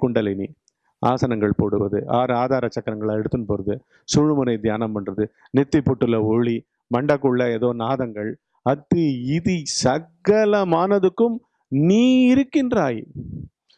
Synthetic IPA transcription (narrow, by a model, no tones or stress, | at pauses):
kʊɳɖɐlɪnḭ | ʔaːsɐnɐŋɡɐɭpoːɽɯʋɐðɯaːɾɯaːðaːɾɐt͡ʃːɐkːɐɾɐŋɡɐɭɐɛɽɯt̪ːɯnpoːɾɐðɯ | suːɻɯmʊnɐɪd̪jaːnɐmɛndrɐðɯ | nɪt̪ːipːɔʈːɯlɐɔɭi | mɐɳɖɐkːɯɭːɐeːðoːnaːðɐŋɡɐɭ | ɐt̪ːiɪðisɐɣɐlɐmaːnɐðɯkːɯm | niːɪɾɯkːɪndraːji